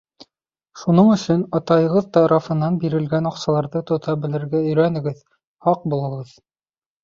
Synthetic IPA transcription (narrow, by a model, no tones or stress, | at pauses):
ʃunɤɴɵ̆sɵnɑt̪ɑjɤ̆ʁɤðt̪ɑɾɑfɤ̆nːɑnbiɾɘ̆lɡænɑqsɑlˠɑɾðɤt̪ŏt̪ɑbɘ̆lɘ̆ɾɡæɵ̆jɾænɘ̆ɡɘð | hɑq̚bulˠɤ̆ʁɤð